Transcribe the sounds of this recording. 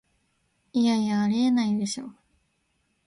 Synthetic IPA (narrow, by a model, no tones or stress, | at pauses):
ijaiaːɾeenaid̪e̞ɕo̞̰ː